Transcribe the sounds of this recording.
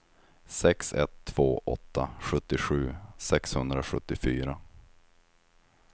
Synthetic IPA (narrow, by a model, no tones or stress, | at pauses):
sɛksɛ̰t̪ʰːv̥oːʔɔ̰t̪ʰːaɧɵt̪ːɪɧʉ̟ːsɛkshɵnd̪ɾaɧɵt̪ːɪfyːɾa